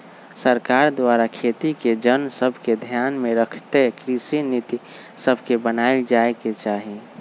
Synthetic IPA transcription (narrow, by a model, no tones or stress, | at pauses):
səɾkaːɾd̪waːɾakʰeːt̪iked͡ʒənsəbʱked̪ʱjaːnmẽɾəkʰt̪ekɾisinit̪i | səbʱkebənaːɪld͡ʒaeket͡ʃaːɦi